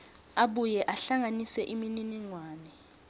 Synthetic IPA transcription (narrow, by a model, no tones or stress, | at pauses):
aɓujɛʔaɬaŋanisɛʔimininiŋwaːnɛ